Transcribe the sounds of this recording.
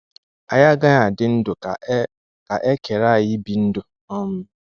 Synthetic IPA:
a˨ja˦ɡa˦ɲa˨dɪ˦n̩˦dʊ˨˦ | ka˨ʔe˦ke˨ɾa˦˨jɪ˦bi˨n̩˦dʊ˨ | ɔ˦m̩˦

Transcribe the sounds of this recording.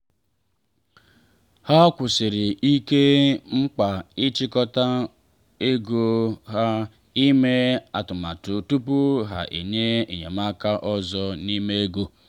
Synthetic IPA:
ha˦kʷʊ˨sɪ˨ɾɪ˨i˦ke˦ŋ͡m̩˦k͡pa˨i˦t͡ʃi˦kɔ˦ta˦ | e˦ɡo˦ɦa˦ | i˦me˦a˨tʊ˨ma˨tʊ˨tu˦pu˦ɦa̰˨ʔḛ˨ɲe˦e˨ɲḛ˨ma˦ka˦ʔɔ˦zɔ˦ni˦me˦e˦ɡo˦

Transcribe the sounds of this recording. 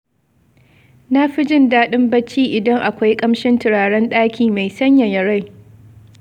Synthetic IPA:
na˦ɸɪ˦d͡ʒɪ˦ndaː˦ɗɪ˦mbɐ˦t͡ʃiː˦ʔɪ˨dɐ˦ŋʔa˨kʷa˦jkʼɐ˦mʃɪ˦ntɪ˨ɽaː˨ɽɐ˦nɗaː˦kʲʰiː˨ma˨jsɐ˦ɲja˨jɐ˨ɽa˦j

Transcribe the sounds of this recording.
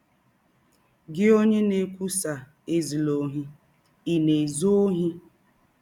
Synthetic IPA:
ɡɪ˦o˦ɲe˦ne˨kʷu˦sa˨ | e˨zi˨lo˨ɦi˦ | i˨ne˨zo˦o˦ɦi˦

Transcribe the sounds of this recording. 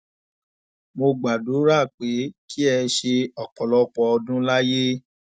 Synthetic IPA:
mo˧ɡ͡ba˨do˨˦ɾa˦˨k͡pe˨˦kʰi˦ɛ˧ʃe˧ɔ˨k͡pɔ˨lɔ˨˧k͡pɔ˧ɔ˧dũ˦la˦je˦

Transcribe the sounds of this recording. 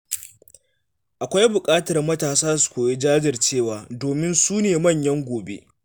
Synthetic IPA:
ʔa˨kʷa˦jbʊ˨kʼaː˦tɐ˨rmɐ˦taː˨saː˦su̥˨kʷoː˨je˦d͡ʒaː˦d͡ʒɪ˨rt͡ʃeː˦˨waː˨doː˨mɪ˦nsuː˦neː˨mɐ˦˨ɲjɐ˦ŋɡʷoː˨bḛ˦ʔ

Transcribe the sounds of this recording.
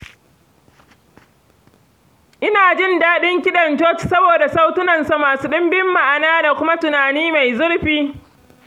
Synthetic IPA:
ʔɪ˦naː˨d͡ʒɪ˦˨ndaː˦ɗɪ˦ŋkʲɪ˦ɗɐ˨nd͡ʒɔː˦t͡ʃsɐ˦boː˨da˨sa˦wtʊ˦nɐ˨nsa˦maː˨suː˦ɗɪ˦mbɪ˦mːa˨ʔa˨naː˦da˨kʷʊ˦ma˦tʊ˨naː˨niː˦ma˨jzʊ˦ɽɸiː˦

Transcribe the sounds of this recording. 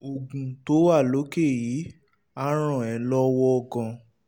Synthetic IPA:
o˨ɡũ˨to˨˦wa˦˨lo˨˦ke˦˨jiː˨˦ | a˦ɾ̃ɔ̃˦˨ɛ̃˨lɔ˦wɔ˦ɔ˧ɡã˧

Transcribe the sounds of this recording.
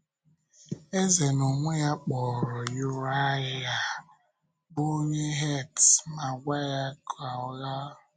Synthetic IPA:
e˦ze˨no˨ŋʷe˦ja˦k͡pɔ˨ɾɔ˨jʊ˦ɾa˦ɪ˦ja˦ | bo˦ɲe˦ɦe˦˨tma˨ɡʷa˦ja˦kʰa˨ɔ˦ɣa˦˨

